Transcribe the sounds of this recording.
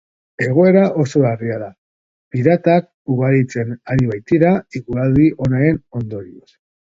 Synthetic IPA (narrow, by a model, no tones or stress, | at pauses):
e̞ɣ̞oe̞ɾaʔo̞so̞ariaða | piɾat̪ak̚ | uɣ̞aɾit͡se̞naɾiβajt̪iɾaiɣuald̪iʔo̞naɾe̞no̞nd̪o̞ɾios